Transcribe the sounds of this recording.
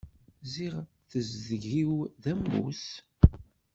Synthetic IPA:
ziʁ | θəzðəʝiwðæmːṵθ

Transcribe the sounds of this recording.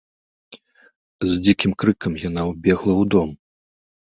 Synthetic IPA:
zʲd͡zʲikʲimkɾɨkɐmjanawbʲɛɣlˠɐwd̪ɔm

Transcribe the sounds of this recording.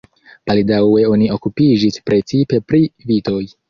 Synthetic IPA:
b̥aldawe̞o̞niʔo̞kupid͡ʒispɾe̞t͡sipe̞pɾivito̞j

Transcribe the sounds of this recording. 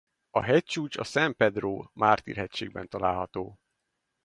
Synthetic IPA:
ɒ̰ɦɛc̚t͡ʃuːt͡ʃɒ̰sɛmpɛd̪roːmaːrt̪ḭrɦɛcʃeːɡ̚bɛnt̪ɒlaːlɦɒt̪oː

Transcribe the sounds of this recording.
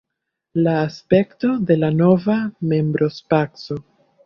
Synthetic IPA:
laːspe̞kto̞de̞lano̞vame̞mbɾo̞spakso̞

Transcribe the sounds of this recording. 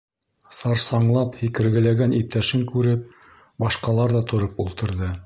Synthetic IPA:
sɑɾsɑɴlˠɑphikɘ̆ɾɡɘ̆læɡænip̚t̪æʃɘŋkʉɾɘp̚ | bɑʃqɑlˠɑɾðɑt̪ʰŏɾɤpulˠt̪ɤ̆ɾðɤ

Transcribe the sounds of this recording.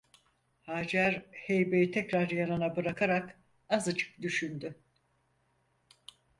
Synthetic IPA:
haːd͡ʒæɾhejbejit̪ʰɛcɾaɾjananabɯɾakʰaɾak | azat͡ʃʰɯ̥k̚d̪yʃynd̪y

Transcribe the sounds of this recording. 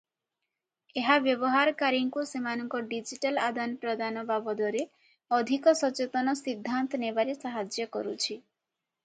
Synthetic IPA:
eɦabjɔbɔɦaɾkaɾiŋkusemanɔŋkɔɖid͡ʒiʈalad̪anpɾɔd̪anɔbabɔd̪ɔɾe | ɔd̪ʱikɔsɔt͡ʃet̪ɔnɔsid̪ʱːant̪ɔnebaɾesaɦad͡ʒjɔkɔɾut͡ʃʰi

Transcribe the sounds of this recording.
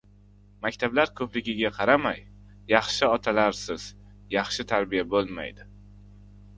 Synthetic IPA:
makʲt̪ʰablaɾkʰɵplɪɡʲɪɡʲaqʰɑɾamajː | ɑχʃɪɒt̪ʰalaɾsɪz̥ | jɑχʃɪt̪ʰaɾbijabolˠma̰jd̪ɪ

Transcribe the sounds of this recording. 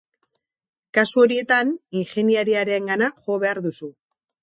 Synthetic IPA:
kasuo̞ɾie̞t̪aninxe̞niaɾiaɾeŋɡanaʝo̞β̞e̞aɾðusu

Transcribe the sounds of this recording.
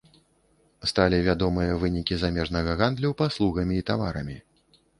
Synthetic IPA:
st̪alʲivʲad̪ɔmɨjɐvɨnʲikʲizamʲɛʐnɐɣɐɣand̪lʲupaslˠuɣɐmʲiːt̪avaɾɐmʲi

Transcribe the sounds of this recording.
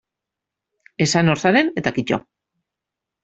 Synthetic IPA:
e̞sanoɾsaɾe̞ne̞t̪akit͡ʃo̰

